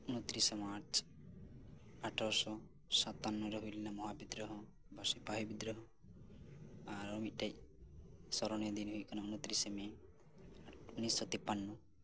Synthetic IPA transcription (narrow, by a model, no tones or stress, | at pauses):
unɔt̪ɾisɔmaɾt͡ʃ | aʈʰaɾsɔ | sat̪anːɔɾɔɦulinamɔɦabid̪ɾɔɦɔ | basipaɦejbid̪ɾɔɦɔ | aɾɔmit̪̚ʈaj | sɔɾɔnjɔd̪inɦujkɔnɔunɔt̪ɾiseme | unisːɔt̪ipːanːɔ